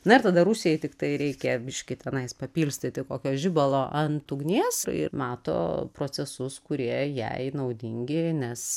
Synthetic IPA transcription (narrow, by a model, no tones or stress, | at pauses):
nɐɪɾt̪ɐd̪ɐɾusʲɪjɛɪt̪ʲɪkt̪ɐɪɾʲɛɪkʲɛbʲɪʃʲkʲɪt̪ʲɛnɐɪspɐpʲiːlʲsʲt̪ʲɪt̪ʲɪkoːkʲoːʒʲɪbɐlˠoːʔɐnt̪ʊɡnʲiːsɪ̰mɑːt̪o̰ːpɾoːt͡s̪ʲɛsʊskʊɾʲiɛjɛ̰ɪnɐʊd̪ʲɪŋʲɡʲɪnʲɛs